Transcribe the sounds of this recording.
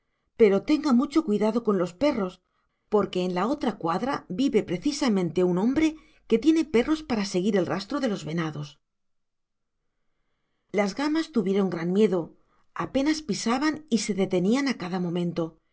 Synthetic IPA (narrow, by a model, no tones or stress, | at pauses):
pe̞ɾo̞t̪e̞ŋɡamut͡ʃo̞kwiðaðo̞ko̞nlo̞spe̞ro̞s | po̞ɾke̞ːnlao̞t̪ɾakwaðɾabiβe̞pɾe̞θisamẽ̞nt̪e̞unõ̞mbɾe̞ | ke̞t̪je̞ne̞pe̞ro̞spaɾase̞ɣiɾe̞lrast̪ɾoðe̞lo̞zβe̞naðo̞s | lazɣamast̪uβje̞ɾo̞ŋɡɾanmje̞ðo̞ | ape̞naspisaβanise̞ðe̞t̪e̞nianakaðamõ̞mẽnt̪o̞